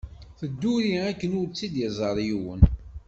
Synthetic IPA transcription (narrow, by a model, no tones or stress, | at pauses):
θəd̪ːuɾiækːənʊɾt͡sːid̪jəzˤəɾˤiwə̰n